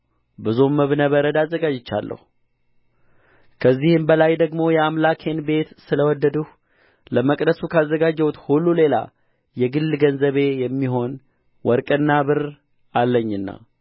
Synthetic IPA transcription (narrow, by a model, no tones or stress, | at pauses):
bɨzumːəβnəβəɾəd̪azːəɡad͡ʒɪt͡ʃːa̰lːə̰hu | kʰəzːihɨmbəlajd̪əɡmo̞jɛamlakʰe̞nbe̞t̪sɨləwɔd̪ːəd̪uh | ləməkʼd̪əsukʰazːəɡad͡ʒːɛwut̪hulːule̞la̰ | jɛɡɨlːɡənzəβe̞jɛmːiɦo̞n | wɔɾkʼɨnːabɨɾ | alːəɲːɨnːa̰